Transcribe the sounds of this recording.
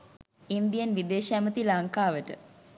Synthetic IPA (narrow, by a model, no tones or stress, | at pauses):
ind̪ijənʋid̪eːʃæmət̪ilaŋkaːʋəʈə̰